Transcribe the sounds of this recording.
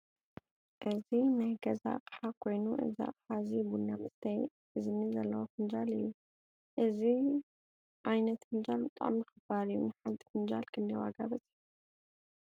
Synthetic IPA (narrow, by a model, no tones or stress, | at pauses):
ʔɨzinajɡɐza̰qʼħakʰo̞jnuʔɨ̰za̰qʼħazibunːamɨst̪ʰɐj | ʔɨznizɐlːɐwofɨnd͡ʒalɨjːu | ʔɨzi | ʔajnɐt̪hɨnd͡ʒalbɨt̪ʼa̰mjɨxɨbaɾɨjːṵnɨħant̪ʼifɨnd͡ʒalkʰɨndɐwa̰ɡabɐt͡sʼi̥ħ